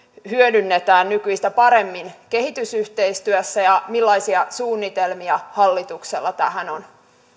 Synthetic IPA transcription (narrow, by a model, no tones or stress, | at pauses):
hyødynːet̪æːnnykyist̪æpɑɾe̞mːinke̞hit̪ysyht̪eist̪yøsːæjɑmilːɑisiɑsuːnːit̪elmiɑhɑlːit̪uksḛlːɑt̪æ̰hænon